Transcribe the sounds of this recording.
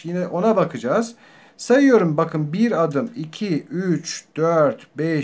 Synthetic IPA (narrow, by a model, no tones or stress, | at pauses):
jinɛʔo̞nabakʰɯd͡ʒaːz̥ | sajɯjo̞ɾumbakʰɯnbiɾad̪ɯmicʰiyt͡ʃd̪̥øɾt̪bɛ